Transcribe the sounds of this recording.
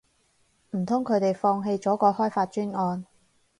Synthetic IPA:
m̩˨˩t̪ʰʊ˥ŋkʰɵ˨˧ɥt̪e˨jfɔː˧ŋɦe˧jt͡sɔː˨˥kɔː˧hɔː˥jfaː˧t̚t͡ʃyː˥nŋɔː˧n

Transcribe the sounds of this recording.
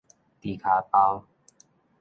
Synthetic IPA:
t̪i˨˩kʰa˨˦p̪a˧w

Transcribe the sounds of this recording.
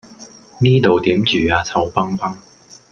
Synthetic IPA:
niː˥t̪o˨wt̪iː˨˥mt͡ʃyː˨aː˨˧t͡sʰɐ˧wpɐ˥ŋpɐ˥ŋ

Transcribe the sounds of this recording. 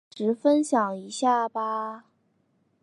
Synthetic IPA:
ʈ͡ʂɻ̩˧˥fə˥nɕjɑ˨˩ŋi˧˥ɕja˥˩ba˨˩

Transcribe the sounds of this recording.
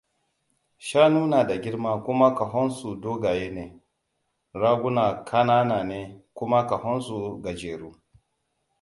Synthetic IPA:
ʃaː˦nuː˦na˨da˨ɡʲɪ˦ɾma˦kʷʊ˦ma˦ka˨ɦɔ˦nsu˨doː˦ɡa˨jeː˦ne˨ | ɾaː˦ɡʷu˦na˨kʰa˦naː˦naː˨neː˨kʷʊ˦ma˦ka˨ɦɔ˦nsu˨ɡa˨d͡ʒeː˨ɾu˦

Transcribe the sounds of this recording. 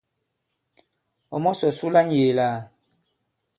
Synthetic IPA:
ɔ˨mɔ˦sɔ˨su˦la˦ɲ˦jeː˨la˦˨

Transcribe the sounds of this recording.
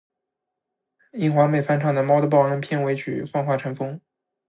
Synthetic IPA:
i˥˩ŋxwa˧˥me˨˩ɪfa˥nʈ͡ʂʰɑ˥˩ŋd̪ə˩mɑ˥ʊd̪ə˧p̬ɑ˥˧ʊə˥npʰjɛ˥˩nwe˧˥ɪt͡ɕʰy̰˨˩fɑ˥˧ŋxwa˥˩ʈ͡ʂʰɤ˧˥nfɤ˥ŋ

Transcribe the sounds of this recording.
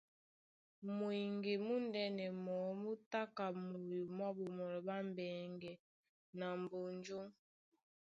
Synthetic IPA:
mwi˨ŋɡe˨mu˦ndɛ˦nɛ˨mɔ˨˦mu˦ta˦ka˨mo˨ju˨m˦a˦bu˨mɔ˨ɾɔ˨ba˦m˦bɛː˨ŋɡɛ˨ | na˨m˨bo˨nd͡ʒo˦ŋ

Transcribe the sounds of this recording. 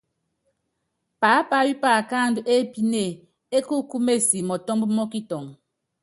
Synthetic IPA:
paː˨˦pa˦wi˦paː˦˨ka˦˨n˦du˦ʔe˦pi˦ne˦˨ | e˦ku˦ku˦me˦˨si˨mɔ˨tɔ˦mbu˦mɔ˦ki˦tɔ˨ŋ

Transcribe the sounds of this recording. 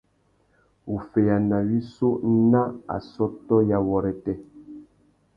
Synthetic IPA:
u˨fɛ˨ja˨na˨wi˦so˦n˦na˦a̰˨sɔ˦tɔ˦ja˨wɔ˨ɾɛ˨tɛ˦

